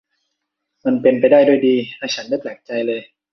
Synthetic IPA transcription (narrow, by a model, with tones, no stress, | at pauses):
ma˧npe˧npa˧jdaː˥˩jdu˥˩˨jdiː˧laː˥˩t͡ɕʰa˦˥ndaː˥˩jp̪lɛː˨˩k̚t͡ɕa˧jlɤː˧j